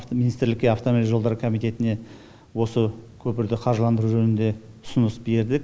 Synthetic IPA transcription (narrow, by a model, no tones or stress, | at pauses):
minist̪ɪɾlɪkʲːeaft̪oilʲʒod̪ɑɾəkʰo̞mijt̪e̞t̪ɪne̞ | wo̞səkʲʰɵpɪɾd̪ɪqʰɑɾʒəlˠɑnd̪əɾuʒɵnɪnd̪e̞ | ʊ̥sʊnəsbe̞ɾd̪ɪk